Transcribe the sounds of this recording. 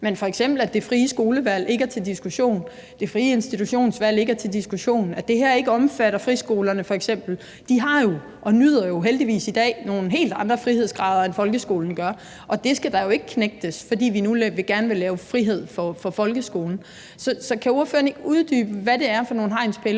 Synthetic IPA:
menfɒ̽eɡ̥sem̰b̥l̩æd̥e̝fʁiːəsɡ̥o̝ːləʋæl̰e̝ɡ̥ɐt͡sʰe̝ld̥isɡ̥uɕo̝̰ːn | d̥e̝fʁiːəe̝nsd̥it͡sʰuɕo̝̰ːnsʋæl̰e̝ɡ̥ɐt͡sʰe̝ld̥isɡ̥uɕo̝̰ːnæ̥d̥e̝ɦeɐ̰e̝ɡ̥əɒ̽mfæɾ̥ɐfʁisɡ̥o̝ːlɐnəfɒ̽eɡ̥sem̰b̥l̩ | d̥iɦɑ̈jo̝ | ʔɒ̽nyð̰ˠɐjo̝ɦeld̥iʋḭːsid̥ɛ̰ːno̝ːn̩ɦe̝̰ːld̥ɑ̈nd̥ʁɐfʁihe̝ð̞̰ˠsɡ̥ʁɑ̈ːðˠɐenfɒ̽lɡ̥əsɡ̥o̝ːln̩ɡ̥ɶɐ | ʔɒ̽d̥e̝sɡ̥æd̥ɑ̈jo̝e̝ɡ̥əkʰneɡ̥̚d̥əsfɒ̽dḭːʋinulʋe̝ɡ̥æɐnʋe̝lɛːʊfʁiɦe̝ð̞̰ˠfɒ̽fɒ̽fɒ̽lɡ̥əsɡ̥o̝ːln̩ | sɒ̽sɒ̽kʰæoɐfø̰ːɐne̝ɡ̥əuðˠd̥y̰ːb̥əʋæde̝æɐfɒ̽no̝ːn̩ɦɑ̈ɪ̰nspʰel

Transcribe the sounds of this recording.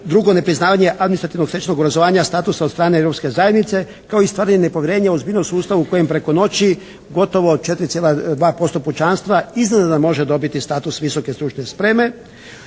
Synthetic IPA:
d̪ɾuɡo̞ne̞pɾiznaːʋaɲe̞ʔad̪minist̪ɾat̪iʋno̞kset͡ʃno̞ɡobɾazoʋaːɲast̪aːt̪usad̪st̪ɾaːneevɾo̞pske̞zajed̪nit̪se̞ | kaoist̪ʋaːɾaɲenepo̞ʋjeɾe̞ːɲaozbiʎnomsuːst̪aʋuuko̞jempɾe̞ko̞no̞t͡ɕi | ɡo̞t̪o̞ʋo̞t͡ʃet̪ɾit̪sjelad̪ʋaːpo̞st̪o̞put͡ʃanst̪ʋaiznenod̪amo̞ʒed̪o̞bit̪ist̪aːt̪usʋiso̞ke̞st̪ɾut͡ʃne̞spɾeːme̞

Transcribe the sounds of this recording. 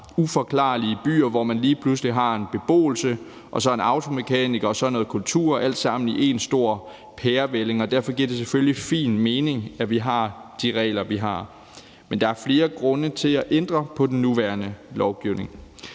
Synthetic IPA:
ufɒ̽kʰlɑ̰̈ːliəb̥y̰ːɐʋɒmænliːpʰlusliɦɑ̈e̝nb̥e̝b̥o̝̰ːl̩sə | ʔɒ̽sɒ̽e̝nɑ̈ʊt͡sʰo̝me̝kʰɛːniɡ̥ɐɒ̽sɒnːoð̩ˠkʰult͡sʰṵɐ̰æl̰d̥sɑ̈m̰n̩iʔe̝nsd̥o̝ɐ̰ | pʰeːɐʋele̝ŋɒ̽d̥æɐ̰fɒ̽ɡ̥iɐd̥e̝seføllifḭːnme̝ːne̝ŋæʋiɦɑ̈d̥iʁɛ̰ːlɐʋiɦɑ̈ | mend̥ɑ̈æɐfle̝ːɐɡ̥ʁɔ̽nət͡sʰe̝læʔend̥ʁɐpʰɒ̽d̥en̩ːuʋæɐnəlɒʊɡ̥iʊne̝ŋ

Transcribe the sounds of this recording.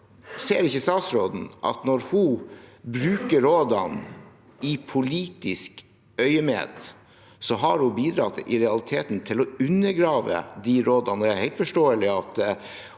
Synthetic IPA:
seːɾɪçəst̪ɑːt̪sɾoːd̪n̩ʔɑ̰t̪nɔɾhʊbɾʉːkəɾoːd̪ɑn | ɪpʰʊliːt̪ɪsk | œʏəmḛːd̪ | sɔɦɑɾhʊbiːd̪ɾɑt̪ʔɪɾɛɑlɪt̪ʰeːt̪n̩t̪ʰɪlɔʉnːəɾɡɾɑːʋə̰d̪iɾoːd̪ɑnɔd̪ɛæɾhæɪt̪fɔʂʈoːəlɪɑt̪

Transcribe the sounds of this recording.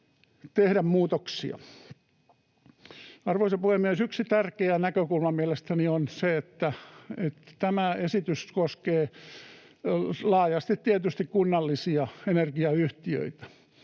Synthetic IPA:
t̪ehɾæmmuːt̪oksḭɑ̰ | ɑrʋoisepuhemmiesyksit̪ærkeænækøkulmɑmiælest̪ænionseet̪ːæet̪t̪æmæesit̪yskoskeː | lɑːjɑst̪it̪t̪iæt̪yst̪ikkunːɑlːisiɑenerɡiɑyht̪iø̰it̪æ̥

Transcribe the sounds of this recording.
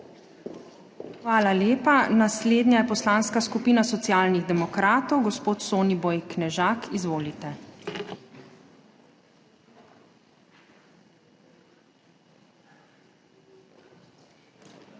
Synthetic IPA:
xʋaːlaleːpanasleːd̪nʲjajɛpɔslaːnskaskupiːnasɔt̪sijaːlniɣd̪ɛmɔkɾaːt̪ɔwɡɔspoːt̪soːnibɔjknɛʒaːkʰizʋoːlit̪ɛ

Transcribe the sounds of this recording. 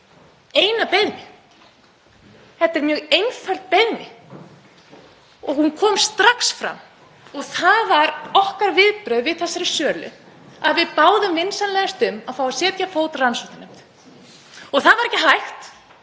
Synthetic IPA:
eːjnapeðnɪ | hɛt̪ɛɾmjœːɣejnfœl̥t̪̚peðnɪ | ɔɣhunkʰɔːmst̪ɾaksfɾa̰m | ɔɣθaðvaɾɔhkaɾvɪðpɾœɥðvɪðθɛsːaɾɪsœːlʏ̰ | aðvɪðpaːwðʏmvɪnsanlɛɣast̪ʏmːawfawasjɛːt̪jafoːwt̪ransowht̪anem̥t̪ | ɔɣθaðvaɾɛhcːɪɦajxt̪

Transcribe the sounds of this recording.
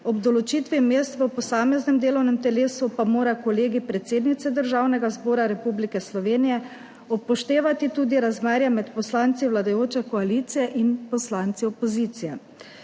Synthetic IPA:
ɔbd̪ɔlɔt͡ʃiːt̪ʋimeːst̪ʋəpɔsaːmɛznɛmd̪eːlɔwnɛmt̪ɛleːsupamoːɾakɔleːɡipɾɛt̪seːd̪nit̪sɛd̪əɾʒawnɛɡazboːɾaɾɛpublikɛslɔʋeːnijɛ | ɔpːɔʃt̪eːʋat̪it̪uːd̪iɾazmaɾjamɛt̪pɔslaːnt̪siʋwlad̪ajoːt͡ʃɛkɔaliːt̪sijɛʔinpɔslant̪siɔpɔziːt̪sijɛ

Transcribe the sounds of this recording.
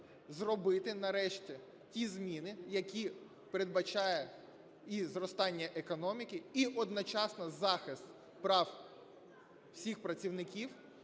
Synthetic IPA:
zrɔbɪt̪ɪnɐɾɛʃtʲi | tʲizmʲinɪjɐkʲi | peɾed̪̚bɐt͡ʃɑjɛ | izrɔst̪ɑnʲːɐʔekɔnɔmʲikɪiʔɔd̪nɔt͡ʃɑsnɐzɑxɪst̪ | pɾɑw | w̥sʲixpɾɐt͡sʲiwnɪkʲiw

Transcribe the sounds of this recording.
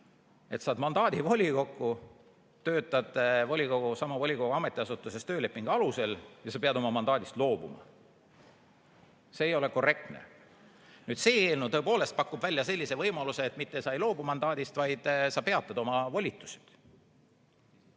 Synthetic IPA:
e̞t̪sɑːd̪mɑnd̪̥ɑːd̪ivo̞lʲiko̞kːu | t̪ø̞ːt̪ːˑɑd̪̥vo̞lʲiko̞ɡ̥usɑmɑvo̞lʲikoɡ̥uɑme̞t̪ːˑiɑsut̪ːˑusest̪øːle̞pːˑiŋɡ̥ɑluse̞ljɑsɑpeɑd̪o̞mɑmɑnd̪ɑːd̪ist̪lo̞ːb̥umɑ̰ | se̞ːjo̞le̞ko̞re̞k̚t̪nḛ | nyːd̪se̞ːeːlnut̪ɤepo̞ːle̞st̪̚pɑkːˑub̥vælʲjɑse̞lʲːise̞vɤjmɑluseːt̪ːˑmit̪ːesɑjlo̞ːbumɑnd̪ɑːd̪̥ist̪vɑjd̪̥sɑpe̞ɑt̪ːˑɑd̪o̞mɑvolʲit̪ːˑu̥si̥d̪̥

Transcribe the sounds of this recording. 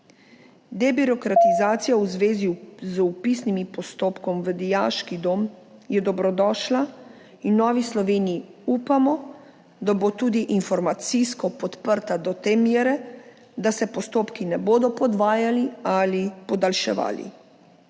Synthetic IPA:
d̪ɛbiɾɔkɾat̪izaːt̪sijawzʋeːzizupisnimipɔst̪oːpkɔmʋəd̪ijaːʃkid̪oːmjɛd̪ɔbɾɔd̪ɔːʃla | inːɔːʋislɔʋeːnijiuːpamɔ | d̪abot̪uːd̪iʔinfɔɾmat̪siskɔpɔt̪pəɾt̪ad̪ɔt̪eːmjeːɾɛ | d̪asɛpɔst̪oːpkinɛboːd̪ɔpɔd̪ʋaːjalialipɔd̪alʃɛ̰ʋa̰ːlḭ

